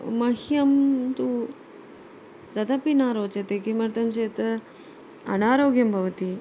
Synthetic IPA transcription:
mɐɦjɐmt̪u | t̪ɐt̪ɐpinaːɾoːt͡ʃɐt̪eːkimɐɾt̪ɐmt͡ʃeːt̪ | ɐ̰naːɾoːɡjɐmbʱɐʋɐt̪i

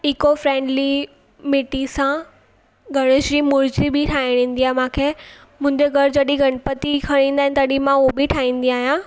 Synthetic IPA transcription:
ɪkofɾẽːɳɖli | mɪʈisã | ɡʱɐɽ̃əʃɾimʊɾd͡ʑibɪʈʰaːɪɽ̃ĩːn̆d̪iaːmãːkʰeː | mʊ̃ɲd͡ʑeɡʱɐɾd͡ʑɐɗiɡʱɐɽ̃pət̪ikʰɐɽ̃ĩːnd̪aːɦɪ̃nɪt̪ɐɗimãubɪʈʰaːĩːn̆d̪iaːɦijãː

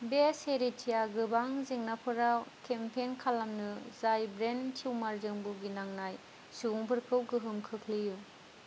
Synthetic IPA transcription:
beseɾitʰijaɡɯbaŋzeŋnapʰɯɾawkʰempʰenkʰalamnɯzajbɾentʰiwmaɾzɯŋbuɡinaŋnaj | suuŋpʰɯɾkʰɯwɡɯɦɯmkʰɯkʰliju

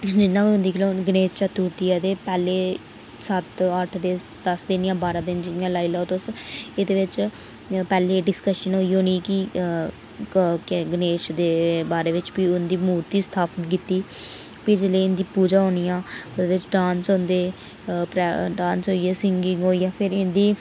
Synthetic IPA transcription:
d͡ʒɪnːãːʊ̃nd̪iːkʰlõɡəneːt͡ʃt͡ʃat̪uːɾt̪iːɛd̪eːpɛːleː | sət̪əʈʰd̪eː | d̪əsd̪ɪnɪjãːbaːɾãːd̪ɪnd͡ʒɪnjãːlaːiːlaːt̪ʊsed̪eːʋɪt͡ʃ | pɛːleːɖɪskəʃənɦoːiːoːnĩːkɪ | kɡəneːt͡ʃd̪eːbaːɾeːʋɪt͡ʃbiːʊnd̪iːmuːɾt̪iːst̪ʰaːpənk̬iːt̪iː | pɪd͡ʒeleːɪnd̪iːpuːd͡ʒaːɦoːnijãːd̪eːʋɪt͡ʃɖaːnsõːnd̪eː | pɾɛɖãːnsɦoːijeːsɪŋɡɪŋɡɦoːijãːpʰɪɾɪnd̪iː

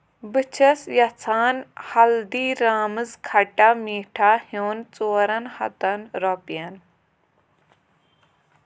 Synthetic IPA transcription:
bɨt͡ʃʰɐsjɐt͡sʰaːnhɐld̪iːɾaːmɨzkʰɐʈamiːʈʰahjoːnt͡soːɾɐnhɐ̰t̪ɐnɾopijɐn

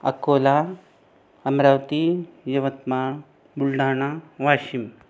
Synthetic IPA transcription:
ɐ̰koːla | ɐmɾawt̪ijɐʋɐt̪ma | bulɖaːñaʋaɕim

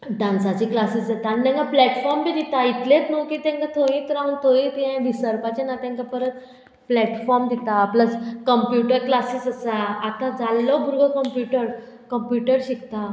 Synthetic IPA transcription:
ɖãnsat͡ɕiːklasiːsd͡zat̪aːnit̪ɛ̃ŋkaplɛʈfɔɾmbiːd̪it̪ait̪let̪nokit̪ɛ̃ŋkat̪ʰoĩt̪əɾamənt̪ʰoĩt̪iɦãʋisəɾpat͡ɕenat̪ãŋkapəɾət̪ | plɛʈfɔɾmd̪ʱit̪aːplət͡skəmpjuʈəɾklasiːsəsaːt̪ad͡zalːɔbʱuɾɡəkəmpjuʈəɾ | kəmpjuʈəɾɕikt̪a

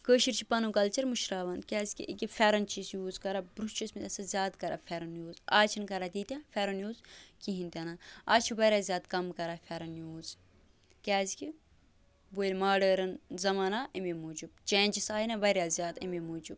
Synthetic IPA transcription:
kəːʃiɾt͡ʃʰipɐnukɐlt͡ʃɐɾmuʃɾaːʋɐnkʲaːzi̥kʲḭʔikʲifʲɛɾɐnt͡ʃisjuːzkɐɾabɾust͡ʃʰusmit̪ʲɐsɐzʲjaːd̪kɐɾʔa̰fʲɛɾɐnjuːzaːt͡ʃʰinkɐɾad̪iːt̪ʲãfʲɛɾɐnjuːzkiɦĩnt̪ʲɐnaaːt͡ʃʰibɐɾʲjaːzʲjaːt̪kɐmkɐɾafʲɛɾɐnjuːz | kʲaːzkʲi | boːlʲmaːɖəːɾɐnzɐmaːnaʔimimuːd͡ʒubt͡ʃeːnʲd͡ʒisaːinɐbɐɾʲjaːzʲjaːt̪ḭmimuːd͡ʒub

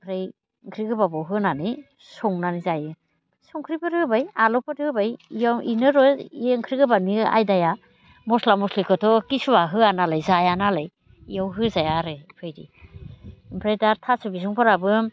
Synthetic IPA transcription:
pʰɾaj | ŋkʰɾiɡɯbabawɦɯnani | sɔŋnanizajɯ | sɔŋkʰɾipɯɾɯbajalɔpʰɯɾɯbajjawʔḭnɯɾɔieŋkʰɾiɡɯbania̰jdaja | mɔslamɔslikʰɯtʰɔkisubaɦɯanalajzajanalaj | ijawɦɯzajaɾɯpʰɯjdḭ | mpʰɾajdaɾtʰasubis̬uŋpʰaɾabɯ

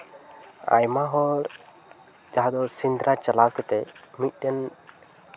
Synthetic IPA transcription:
a̰jmaɦɔɾ | d͡ʒaɦad̪ɔsind̪ɾat͡ʃalawkɛt̪ɛmit̪̚ˀdɛn

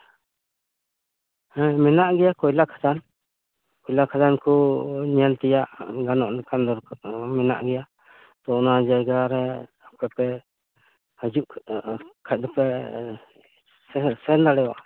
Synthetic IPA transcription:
mɛnaʔɡɛjakɔjlakʰḁd̪an | kɔjlakʰad̪ankɔɲɛlt̪ɛjaʔɡanɔʔnɛkand̪ɔɾkmɛna̰ʔɡɛja | t̪ɔnad͡ʒajɡaɾɛ | apɛpɛ | həd͡ʒuʔ | kʰac̚d̪ɔpɛ | sɛnd̪aɽɛwa̰ʔ

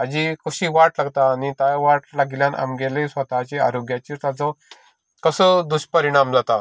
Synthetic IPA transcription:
ad͡ʑikəɕiːʋaʈlaɡt̪aːnit̪ajʋaʈlaɡiljãna̰mɡelesʋət̪at͡ɕea̰ɾoɡjat͡ɕiːt̪ad͡zə̃ | kəsəd̪uɕpəɾiɽ̃amd͡zat̪a

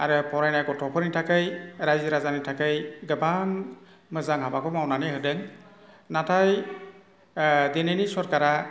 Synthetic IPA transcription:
aɾɯpʰɔɾajnajkɔtʰɔpʰɯɾnitʰakɯjɾajziɾazanitʰakɯjɡɯban | mɯzaŋɦabakʰɔmawnaneɦɯdɯŋ | natʰaj | denenisɔɾkaɾa

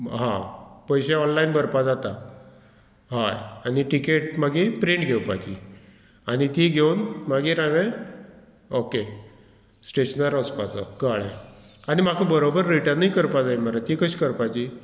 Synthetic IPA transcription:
ɦãpəjɕeɔnlainbəɾpad͡zat̪a | ɦajaniʈikeʈmaɡepɾeɳʈɡʱewpat͡ɕḭ | anit̪iɡʱewnmaɡeɾaʋe | oke | sʈeɕənəɾəspat͡sa̰kaɭḛanimakʰəbəɾobəɾːiʈanaikəɾpad͡zajmaɾat̪ikəɕi̥kəɾpajt͡ɕi

